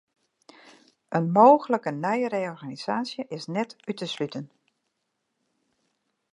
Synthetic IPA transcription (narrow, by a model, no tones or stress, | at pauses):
ʔənmoːɣələkənœjərejɔrɣaːniz̥aːsjəʔɪsnɛtytəslytən